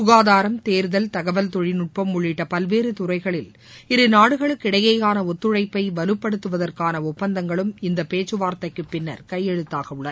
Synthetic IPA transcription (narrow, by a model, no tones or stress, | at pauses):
sʊɣaːðaːɾɐmt̪eːɾðɐlt̪ɐɣɐʋɐlt̪ɔɻɪnʊʈ̚pɐmːʊɭːɪʈːɐpɐlʋeːɾɯt̪ʊɾɐɪɣɐɭɪl | ɪɾɯnaːɽɯɣɐɭɯkːɪɽɐjɐjaːnɐɔt̪ːɯɻɐɪpːɐɪʋɐɾɯpːɐɽɯt̪ːɯʋɐðɐrkaːnɐʊpːɐnd̪ɐŋɡɐɭɯmɪnd̪ɐpeːt͡ʃːɯʋaːɾt̪ɐɪkːɯpːɪnːɐ̰ɾkɐjːɛɻɯt̪ːaːɣɐɯɭːɐɾ